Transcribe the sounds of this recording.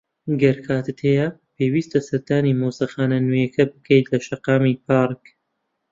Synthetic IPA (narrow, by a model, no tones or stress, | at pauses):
ɡɐɾkʰaːt̪ɨt̪hejɐpʰeːwiːst̪ɐsɐɾd̪aːnimowsɐxaːnɐnujɐkʰɐbɨkʰejt̪lɐʃɐqɑːmipʰaːɾk